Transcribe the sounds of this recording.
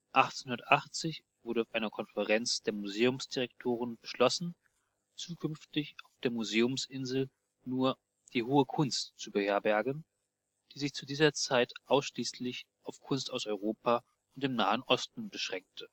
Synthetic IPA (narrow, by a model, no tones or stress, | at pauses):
ʔaχt͡senhʊndɐtʔaχt͡sɪç | v̥ʊɐɾəaʊfʔaɪnɐkʰɔnfəʁɛnt͡sd̥eːɐmuzeːʊmsd̥iʁɛktʰoːʁ̞ənbəʃlɔsn̩ | t͡suːkʰʏnftɪçaʊfd̥eːɐmuzeːʊmsʔɪnzl̩ | nuːɐ | d̥iːɦoːəkʰʊnstt͡subəheːɐbɛɐɡn̩ | d̥iːzɪçt͡sudiːzɐt͡saɪtʔaʊsʃliːslɪç | ʔaʊfkʰʊnstaʊsɔʏʁ̞oːpa | ʊntd̥eːmna̰ːənʔɔstn̩bəʃʁ̥ɛŋk̚tʰə